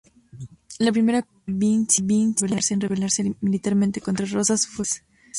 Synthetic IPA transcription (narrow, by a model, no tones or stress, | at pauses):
lapɾime̞ɾa | βint͡ʃiβinseelaɾsenreβelaɾsemilit̪aɾment̪eko̞nt̪ɾaro̞sasfwes